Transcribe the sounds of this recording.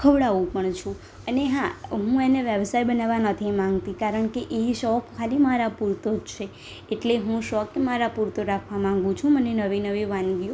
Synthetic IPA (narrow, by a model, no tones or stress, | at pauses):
kʰəʋɽaʋũpəɳt͡ʃʰũ | əneɦaɦũeneʋjəʋsajbənaʋanət̪ʰimãŋɡt̪ikaɾəɳkeʔeiʃɔkkʰːalimaɾapuɾt̪od͡ʒt͡ʃʰeː | ʈleɦũʃɔkemaɾapuɾt̪oɾakʰʋamãŋɡũt͡ʃʰũmənenəʋinəʋiʋãnɡjo